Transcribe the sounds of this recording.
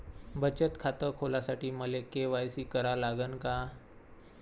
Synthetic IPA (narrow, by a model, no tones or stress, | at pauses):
bət͡ɕət̪kʰat̪əkʰolasaʈiːməlekeʋajsiːkəɾalaɡənka